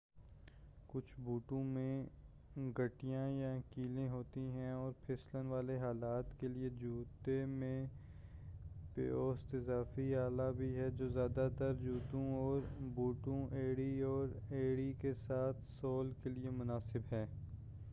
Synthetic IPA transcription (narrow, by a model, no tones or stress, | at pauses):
kʊt͡ʃʰbuːʈũmẽ | ɡɐʈijãjakiːlẽɦoːt̪iɦɛ̃ɔːɾpʰɪslənʋaːleɦaːlaːt̪kelied͡ʒuːt̪emẽ | pḛoːst̪ɪzaːfiaːlabʱiɦɛd͡ʒoːzjaːd̪ad̪aɾd͡ʒuːt̪ũɔːɾbuːʈõʔeːɽiɔːɾeːɽikesaːt̪ʰsɔːlkeliemʊnaːsɪbɦɛː